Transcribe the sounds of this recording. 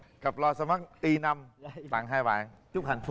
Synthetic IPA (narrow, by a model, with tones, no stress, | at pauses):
kə˨˩p̚lɔ˧sa˧ma˦˥k̚ʔi˧na˧mt̪a̰ː˧˨˩ŋɦaː˧jɓa̰ː˧˨n | t͡ɕʊ˦˥k͡p̚ha˨˩jŋf